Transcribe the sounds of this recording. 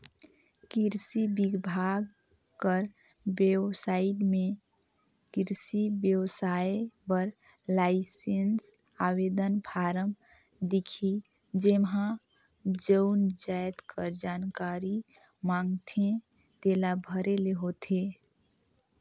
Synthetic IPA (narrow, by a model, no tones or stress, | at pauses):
kiɾsibiɡbʱaɡ | kəɾ | bebsaiʈme | kiɾsibjəwsaepəɾ | laɪsens | awed̪ənpʰaɾəm | d̪ikʰi | d͡ʒemɦã | d͡ʒəʊnd͡ʒajt̪kʰəɾd͡ʒankaɾi | maŋɡt̪ʰẽ | t̪elabʱəɾeleɦot̪ʰe